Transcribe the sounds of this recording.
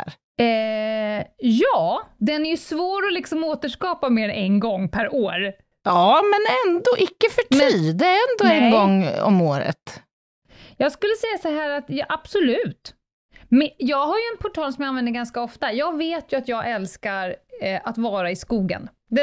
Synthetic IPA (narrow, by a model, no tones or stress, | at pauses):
ɾ | jɑːd̪ɛnæɾjɵsvoːɾɔlɪksɔmoːt̪əʂkɑːpameːɾɛnɡɔŋːpʰæɾoːɾ | ɑːmɛnɛnd̪oːʔɪkːəfœʈʰiːd̪ɛæɾɛnd̪oːɛnɡɔŋːɔ̰moːɾə̰t̪ | jɑːɡskɵlːəsɛjːasɔɦæːɾat̪jɑʔab̥sɔlʉ̟ːt̪ | mɛjɑːɡɦaɾjɵɛnpʰʊʈʰɑːlsɔmjaanvɛnd̪əɾɡanskaɔft̪ajɑːɡveːt̪jɵat̪jɑːɡʔɛlskaɾʔat̪vɑːɾaɪskuːɡə̰n | d̪